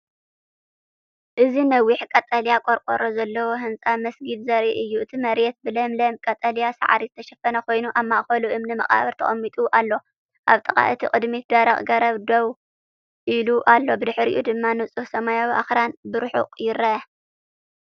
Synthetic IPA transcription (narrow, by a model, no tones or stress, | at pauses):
ʔɨzinɐwːiħkʼɐt̪ʼɐljakʼoɾkʼoɾʔozɐlːɐwoɦɨnt͡sʼamɐsɡid̪zɐɾʔiʔɨjːuɨt̪ʰimɐɾjɛt̪̚bɨlɐmlɐmkʼɐt̪ʼɐlijasa̰ʕɾizɨt̪ʰɐʃɐfɐnɐkʰo̞jnuʔamːaʔxɐluʔɨmnɨmɐχʼa̰βɐɾt̪ʰɐ̰χʼɐmːit̪ʼuʔalːo̞ | ʔaβt̪ʼɐχʼa̰ʔɨt̪ʰikʼɨd̪mitd̪aɾɐχʼɡɐɾɐβd̪ow | ʔiluʔalːo̞bɨd̪ɨħɾḭʔud̪ɨmːanɨsʼuhsɐmajawiʔa̰xɾanbɨɾʊħṵqʼjɪɾɐɐ